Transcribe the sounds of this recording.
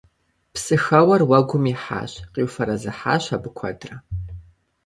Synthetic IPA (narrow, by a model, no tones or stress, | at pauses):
psɨxɐwɐrwɐɡʷʊmiħa̰ːɕqiwfɐɾɐzɨħa̰ːɕabɨkʷʰɐ̰dʼrɐ